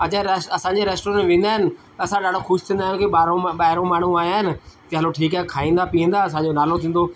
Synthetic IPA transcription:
ɐd͡ʑãsɐsãːɲd͡ʑeɾeːsʈoːɾə̃nʋẽːn̆d̪aːɦɪnɪ̆t̪ɐsãɗaːɖoxʊʃt̪ʰĩːnd̪aːjkeɓaːɾõɓaːɦɪɾõmaːɳ̤ũaːjaːɦɪnɪ̆t̪ɐɦɐloʈʰiːkaːɦekʰaːĩːnd̪apiːə̃nd̪aɐsãd͡ʑonaːlot̪ʰĩːn̆d̪o

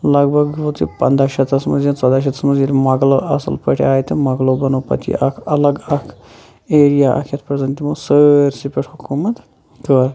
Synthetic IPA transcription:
lɐɡbʱɐɡʋot̪ʰḭpɐ̰nd̪aːʃɐt̪ɐsmɐnzɐnt͡sɐd̪aːʃ̬ɐt̪ʰɐsmɐzilmɐɡloɐsɐ̰lpəʈʰaːjit̪ɨmɐɡlobɐnoːpɐ̰t̪ʰḭɐkʰɐlɐɡɐkʰ | eːɾijaːʔɐ̰kʰjɐt̪pɾɐzɐnt̪imoːsəɾsipʲeʈʰhukuːmɐt̪ | kəɾ

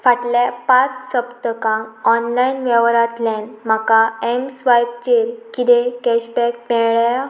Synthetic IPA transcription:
faʈljapat͡ssəpt̪əkãŋɔnlainʋɛʋɾat̪lãnm̤akaemsʋajb̚t͡ɕeɾkid̪ekɛɕbɛk̚pɛɭja

